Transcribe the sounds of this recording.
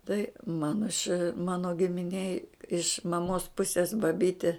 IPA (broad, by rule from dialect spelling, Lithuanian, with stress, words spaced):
tɐɪ ˈmɑːnoː ɪʃ ˈmɑːnoː ɡʲɪmʲɪnʲˈeːj ɪʃ mɐˈmoːs ˈpʊsʲeːs bɐˈbʲiːtʲeː